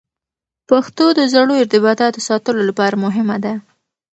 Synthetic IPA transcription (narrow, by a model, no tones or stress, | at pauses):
paxt̪od̪əzaɽoɪɾt̪ɪbɑt̪ɑt̪əsɑt̪əlolapɑɾamʊɦɪmad̪a